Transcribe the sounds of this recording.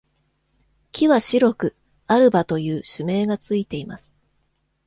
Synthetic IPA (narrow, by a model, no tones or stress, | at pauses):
kʲiβaɕiɾo̞kɯ̟ | aɾɯ̟bat̪o̞jɯ̟ːɕɨme̞ːɡat͡sɨit̪e̞imasɨ̥